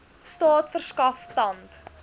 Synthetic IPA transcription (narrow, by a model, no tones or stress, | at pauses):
stɑːtfərskɐftɐnt